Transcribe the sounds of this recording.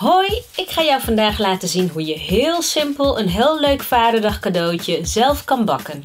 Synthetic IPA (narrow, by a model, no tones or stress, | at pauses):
ɦojɪkχaːjɔwvɑndaːχlaːtəzinɦujəɦɪːlˠsɪmpəlˠənɦɪːlˠlːøɥkfaːdədɑχkadowcəzɛlˠfkɑnbɑkən